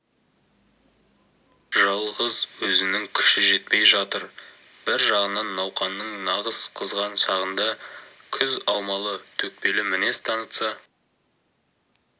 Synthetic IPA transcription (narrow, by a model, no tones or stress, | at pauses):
ʒɑlˠʁəzwɵzɪnɪŋkʲʰʏ̥ʃɪʒe̞t̪̚pe̞jʒɑt̪əɾ | b̥ɪɾʒɑʁənɑnːɑwqɑnːəɴnɑʁəz̥qʰəzʁɑnʃɑʁənd̪ɑ | kʲʰʏzɑwmɑlˠət̪ʰɵk̚pe̞lɪmɪne̞st̪ʰɑnət̪sɑ